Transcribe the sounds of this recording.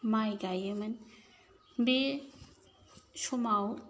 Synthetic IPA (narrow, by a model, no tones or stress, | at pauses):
majɡajɯmɐn | be | sumaw